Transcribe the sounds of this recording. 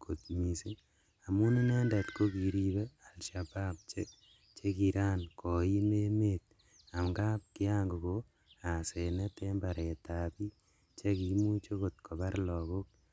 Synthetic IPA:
kʰo˨t̪mi˨si˦n | a˨mu˦ni˦ne˦nde˨tko˦ki˨ɾi˦be˦a˨lʃaba˦p̚t͡ʃe˦ | t͡ʃe˦ki˧ɾa˦nkɔ˨i˦me˦me˦t̚ | a˨mɡa˦p̚kɪ˦a˦ŋɡu˨ko | a˨se˨ne˦te˦mba˨ɾe˨tapi˦ | t͡ʃe˦ki˨mu˦t͡ʃo˦ko˨t̪kʰo˨ba˦ɾlɔ˨ko˦k̚

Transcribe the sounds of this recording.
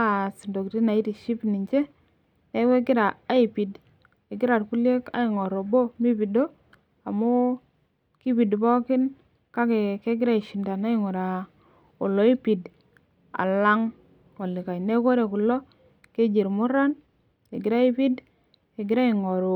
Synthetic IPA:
si˨ndo˨kti˦na˨i˦ti˨ʃi˦pni˨ɲt͡ʃe˦ | ne˦ke˦ɡɪ˦ɾa˨a˦i˨pi˨d | ke˨ɡɪ˦ɾa˨tku˦le˦ka̰˦i˨ŋɔ˨ɾo˨bo˦mi˦pi˨do˦ | a˨mo˦ | ki˦pi˨dbɔ˦kɪ˦n | ka˦ke˨ke˦ɡɪ˦ɾa˦i˨ʃi˨nda˨na˦i˦˨ŋo˨ɾa˨ | o˨lɔ˨i˦pi˨d | a̰˨la˦ŋ | ɔ˨li˨ka˨jne˦ko˦ɾe˨ku˨lɔ˦ | ke˦d͡ʒi˨ɾmu˦ɾa˦n | e˨ɡɪ˨ɾa˦i˦pi˦d | ke˨ɡɪ˦ɾa˦i˨ŋɔ˨ɾo˨

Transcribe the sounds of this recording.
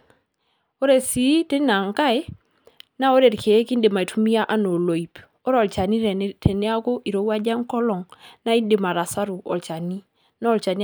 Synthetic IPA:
o˦ɾe˨si˨˦tɪ˦na˨ŋka˦e˦ | na˦o˦ɾe˨ɾkʰe˨˦ki˦ndɪ˨ma˨i˨tu˦mi˦a˦ʔa˦no˨lo˨i˨p | ɔ˦ɾɔ˨lt͡ʃa˨ni˦tʰe˨ne˦a˦ko˦ʔi˨ɾo˨˦wa˦d͡ʒa˦ŋ˦kɔ˦lɔ˨ŋna˦i˦ndɪ˨ma˨ɾa˨sa˦ɾu˨ɔ̰˨lt͡ʃa˨ni˦ | na˦ɔ˦lt͡ʃa˨n˦

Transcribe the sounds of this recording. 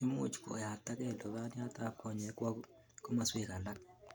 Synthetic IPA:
i˦mṵ˦˨t͡ʃko̰˨ja˨tːa˦kɛ˦˨lo˨βa˦ni˦a˦ta˦kːɔ˦˨ɲe˨˦kwa˦ | ko˦ma˨swe˦˨ka˨la˦k̚

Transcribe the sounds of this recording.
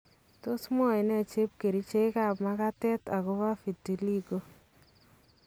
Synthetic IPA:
to˦smɔ˦ɪ˨nɛ˦˨t͡ʃe˦p̚ke˨ɾi˦t͡ʃe˦ka˨pma˦ka˦tɛ˦ta˨kɔ˦βa˦fi˨tːi˨li˦ko˦

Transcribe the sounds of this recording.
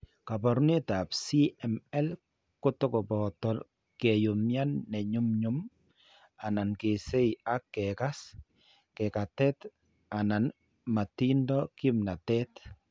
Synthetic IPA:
ka˨bɔ˨ɾni˦ta˨psi˦ɛ˨mɛ˦l | kʊ˦tʊ˦kɔ˨bɔtɔ˨ | kɛ˨jʊ˨mja˦nːɛ˨ɲʊ˦mɲʊ˦m | a˨na˨nke˨se˦ia˦kːɛ˨ka˦s | kɛ˨ka˨tɛ˦t | a˨na˨n | ma˨ti˦ndɔ˦kɪ˦mna˨tɛ˦t

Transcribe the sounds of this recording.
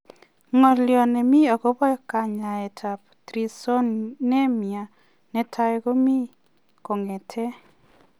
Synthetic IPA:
ŋɔ˨ljɔ˨nɛ˨mi˦ɔ˨ko˦bɔ˦jɔ˨˦ka˨ɲa˨ɛ˨tʰa˨p | tɾi˨so˦nnɛ˦mja˨ | nɛ˨˦tʰa˦ɡo˦mi˦ | ko˨ŋɛ˨tʰɛ˦

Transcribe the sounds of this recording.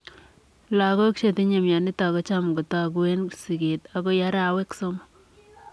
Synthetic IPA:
la˨kɔ˦kʃe˨ti˦ɲe˨mja˨ni˦ta˨kɔ˦t͡ʃa˦mɡo˨ta˨ɡwe˦nsi˨ɡe˨ta˨ɡo˦ja˦ɾa˨we˦kso˦m

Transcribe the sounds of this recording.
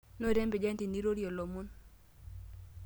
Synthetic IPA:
no˦˨ɾɛ˦mbe˨d͡ʒɛ˦nti˨ni˦ɾo˦ɾjo˨lo˨mu˦n

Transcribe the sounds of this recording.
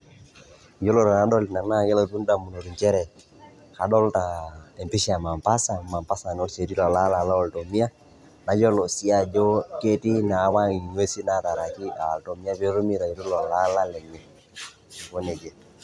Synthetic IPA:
d͡ʒo˦lo˦ɾɔ˨na˨˦dɔ˦li˨na˨ŋna˦˨kɛ˦lo˨tu˦n˦da˨mu˨no˨ɾu˨ɲt͡ʃɛ˦ɾɛ˨ | ka˨ɗɔ˦lta˨ɛ˨mpi˦ʃi˦a˨ma˨mpa˦sa˨ma˨mpa˦sa˨n˨ɔ˦se˨ti˦lɔ˨la˦la˨la˦ɔ˨lto˨mi˦a˦ | na˨d͡ʒɔ˦lɔ˨si˦a˨d͡ʒo˦ke˦ti˦na˨˦wa˦ŋi˨ɲ˦e˦si˦na˦˨ta˨ɾa˨ki˦a˨lto˨mi˦a˦po˦ɾu˦mi˦ɾa˨i˨ɾu˦lɔ˨la˦la˦lɛ˨ɲɛ˨ | ko˦ne˨d͡ʒɛ˨

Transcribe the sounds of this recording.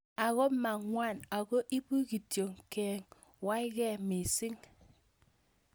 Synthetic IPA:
a˨ɣɔ˦ma˨ŋwa˦˨na˨ko˦ʔi˦bu˦ki˨tjo˨ŋkɛː˨ŋ | wa˦i˦kɛ˦˨mi˨si˦ŋ

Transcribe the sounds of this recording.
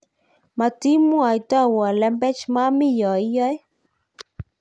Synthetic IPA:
ma˨ti˦mu˦a˨i˨ta˦˨wɔ˨lɛ˦mbɛ˦t͡ʃma˦mi˦jɔ˨i˦jɔ˦j

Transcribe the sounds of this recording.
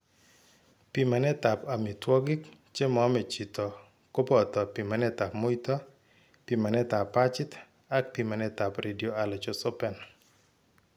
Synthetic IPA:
pi˨ma˨nɛ˦t̪a˨pa˨mi˨twɔ˦ɡɪ˦k | t͡ʃe˦mɔ˨˦mɛ˨t͡ʃi˨t̪ɔ˨ | ko˦pɔ˨t̪ɔ˨pi˨ma˨nɛ˦t̪a˨pmo˦i˦t̪ɔ˦ | pi˨ma˨nɛ˦t̪a˨pːa˦t͡ʃɪ˦t̪ | a˦k̚pi˨ma˨nɛ˦t̪a˨pɾʔe˨di˨o˨a˨la˨t͡ʃɔ˦sɔ˦pɛ˨n

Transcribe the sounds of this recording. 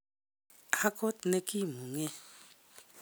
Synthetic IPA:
a˦ko˦tne˦ki˦˨mu˨ŋɛ˦

